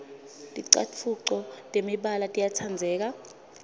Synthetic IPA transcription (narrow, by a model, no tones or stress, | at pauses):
tʼiǀa̰t͡fʰuǀɔtʼemiɓalatʼijatʰand͡zʱɛːk̬a